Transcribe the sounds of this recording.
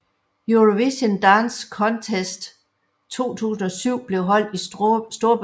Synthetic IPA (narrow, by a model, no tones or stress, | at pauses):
juʁoʋiɕənd̥ɑnskʰɒ̽nt͡sʰesd̥ | t͡sʰo̝̰ːt͡sʰṵːsn̩ɒ̽syʊ̰b̥le̝ʊɦɒ̽l̰d̥isd̥o̝ɐb